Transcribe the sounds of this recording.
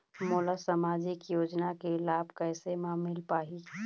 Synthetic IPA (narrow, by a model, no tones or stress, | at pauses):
moːlasamaːd͡ʒɪkjoːd͡ʒnakelaːbʱkɛːsemãmɪlpaːɦi